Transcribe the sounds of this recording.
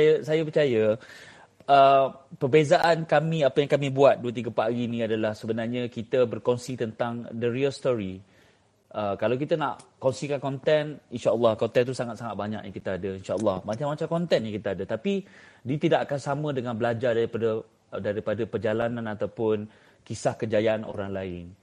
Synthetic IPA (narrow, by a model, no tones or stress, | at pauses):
sajəsajəpərt͡ʃajə | əpərbezaʔankamĩapəjaŋkamĩbuat̪̚duət̪iɡəpaɡinĩadalahsəbənarɲə̃kit̪əbərkɔnsit̪ənt̪aŋdəɾiəlst̪ɔɾi | ʔəkalawk̬it̪əna̰ʔkɔnsikankɔnt̪ɛninʃaəlːɑhkɔnt̪ɛnt̪usaŋat̪̚saŋat̪̚baɲa̰kjãŋkit̪əadəinʃaəlːɑhmat͡ʃamːat͡ʃamkɔnt̪ɛnjaŋkit̪əadət̪apidiət̪idaʔakansamə̃dəŋãnbəlad͡ʒardaɾipadə | daɾipadəpərd͡ʒalanãnat̪awpʊn | kisahkəd͡ʒajaano̰ɾaŋlaɪn